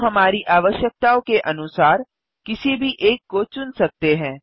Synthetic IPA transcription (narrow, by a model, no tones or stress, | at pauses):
ɦɐmaːɾiʔaːʋəʃjək̚t̪aːõkeʔɐnʊsaːɾ | kɪsibʱiʔeːkːot͡ʃʊnsɐk̚t̪eɦɛ̃ː